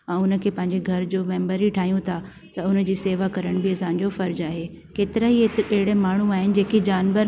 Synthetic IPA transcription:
ɛ̃ːʊnə̆kʰeːpɐ̃ɦɪ̃ɲd͡ʑeɡʱɐɾd͡ʑoːmɛ̃ːmbəɾiʈʰaːɦijũt̪ʰa | t̪ɐʊnəd͡ʑiːseːʋakɐɾəɽ̃bɪɐsãɲd͡ʑofɐɾd͡ʑaːɦeː | keːt̪ɪɾaiɐɦɪɽemaːɳ̤ũaːɦɪnɪ̆d͡ʑeːkid͡ʑaːnʋəɾ

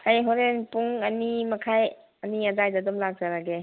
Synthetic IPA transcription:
ajɦɔɾenpuŋɐnimɐkʰaj | ɐniazajdadɔmlak̚zaɾaɡe

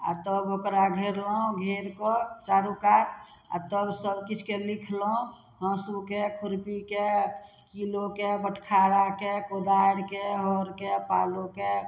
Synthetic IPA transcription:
a̰t̪əbokɾaɡʱeɾləũɡʱeɾkɔt͡ʃaɾukat̪ʰ | a̰t̪əbsəbkit͡ʃʰkelikʰləɦũ | ɦə̃sukekʰuɾpike | kilokebəʈʰkʰaɾakekod̪aɽkeɦɔɾkepaloke

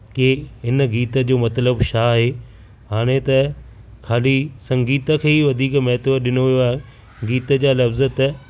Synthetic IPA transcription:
keɪnɡiːt̪ə̆d͡ʑoːmɐt̪ləbʃaːɦe | ɦaːɽ̃et̪ɐ | kʰaːlisɐ̃ŋɡiːt̪əkʰeːiʋɐd̪ʱiːkmɐɦt̪ʋəɗɪnoʋijoaːɦe | ɡiːt̪əd͡ʑaːlɐfzət̪ɐ

